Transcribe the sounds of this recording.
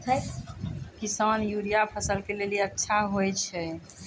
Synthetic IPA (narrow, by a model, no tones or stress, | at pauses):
t̪ʰə | kisanjuɾijapʰəsəlkeleliətːʃʰaɦojt͡ʃʰɛ